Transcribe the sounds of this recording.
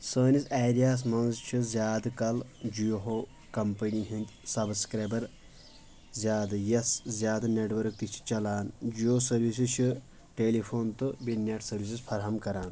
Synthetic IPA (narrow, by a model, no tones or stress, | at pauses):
səːnisaːɾijaːs̬mɐnzt͡ʃʰizjaːd̪kɐld͡ʒijoɦo | kɐmpɐniɦind̪ʲsɐbskɾeːbɐɾ | zʲjaːd̪ɐjɐszʲjaːd̪ɐneʈʋɐɾk̚t̪it͡ʃʰi̥t͡ʃɐlaːnd͡ʒioːsɐɾʋis̬it͡ʃʰi | ʈeːlipʰoːnt̪ɨbinjɐʈʰsɐɾʋis̬ispʰɐɾɦɐmkɐɾaːn